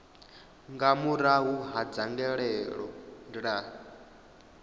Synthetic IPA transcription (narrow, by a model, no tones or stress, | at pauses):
ŋɡamuɾaɦuɦad͡zaŋɡɛɺɛɺɔ̰ndiɺaː